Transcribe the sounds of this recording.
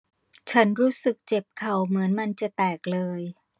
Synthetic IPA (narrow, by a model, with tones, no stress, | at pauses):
t͡ɕʰa˦˥nɾuː˦˥sɯ˨˩k̚t͡ɕe˨˩p̚kʰa˨˩wmɯ˩˦ənma˧nt͡ɕa˨˩t̪ɛː˨˩k̚lɤː˧j